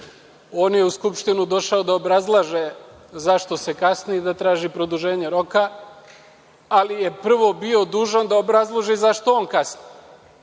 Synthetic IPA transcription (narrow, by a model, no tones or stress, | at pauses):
o̞ːnje̞uskupʃt̪inud̪o̞ʃaod̪aobɾazlˠaʒe | zaʃt̪o̞se̞kasnied̪at̪ɾaːʒipɾo̞d̪uʒe̞ːɲe̞ɾo̞ka | alije̞pr̩ʋo̞bio̞d̪uːʒand̪aobɾazlˠoʒizaʃt̪ooːnkasni